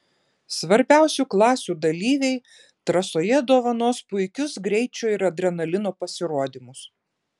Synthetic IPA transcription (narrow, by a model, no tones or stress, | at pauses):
sʋɐɾʲbʲæˑʊsʲuːklˠɑːsʲuːd̪ɐlʲiːʋʲɛɪ | t̪ɾɐsoːjɛd̪oːʋɐnoːspʊɪkʲʊsɡɾʲɛɪt͡ʃʲuːɪɾɐd̪ʲɾʲɛnɐlʲɪnoːpɐsʲɪɾoɔd̪ʲiːmʊs